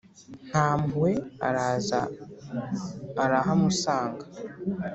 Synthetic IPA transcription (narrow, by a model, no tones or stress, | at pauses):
n̥haːmwea̰ɾaza | ɾaɦamusaːŋɡa